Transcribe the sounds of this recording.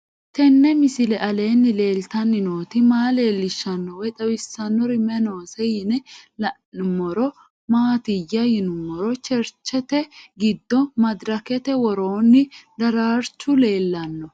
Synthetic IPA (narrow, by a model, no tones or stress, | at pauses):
t̪ɛnːɛmɪsɪlɛʔɐle̞ːnːɪle̞ːlt̪ɐnːɪno̞ːt̪ɪmaːle̞ːlːɪʃːɐnːɔwɛt̪ʼɐwɪsːɐnːɔɾɪmɛno̞ːsɛjɪnɛlɐ | ʊmːɔɾɔ | maːt̪ɪjːɐjɪnʊmːɔɾɔt͡ʃɛɾt͡ʃːɛt̪ɛɡɪd̪ːɔmɐd̪ɾɐkɛt̪ɛwɔɾo̞ːnːɪd̪ɐɾaːɾt͡ʃːʊle̞ːlːɐnːɔ